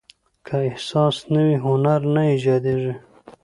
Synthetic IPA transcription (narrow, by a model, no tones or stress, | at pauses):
kʰaɪhsɑːsnawiɦʊnaɾnaid͡ʒɑd̪eʐi